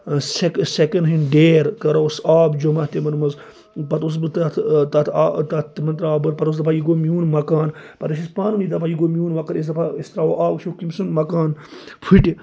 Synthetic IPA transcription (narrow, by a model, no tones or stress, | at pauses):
seksekɐnɦinɖeːɾkɐɾosaːbd͡ʒomɐt̪emɐnmɐz | pɐt̪os̬bɨt̪ɐt̪ʰt̪ɐt̪ʰːt̪at̪imɐnt̪ɾaːbɨɾpɐt̪osd̪ɐpʰajiɡoːmʲjuːnmɐkaːnpɐt̪ɐʃispaːnumid̪ɐpʰajiɡoːmʲjuːnʋɐkɐɾis̬d̪ɐpʰaist̪ɾaoʔaːbʃokimsɨnmɐkaːnpʰiʈʲi